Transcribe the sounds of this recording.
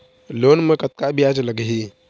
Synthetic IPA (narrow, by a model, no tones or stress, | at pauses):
loːnmẽkət̪̚kabʱiad͡ʒləɡɦi